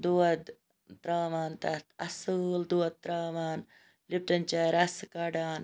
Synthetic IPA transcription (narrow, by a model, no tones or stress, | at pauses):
d̪uːɐd̪ | t̪ɾaːmaːnt̪ɐt̪ɐsuld̪uɐd̪̚t̪ɾaːmaːn | lip̚ʈɐnt͡ʃaːɾɐskaːɖaːn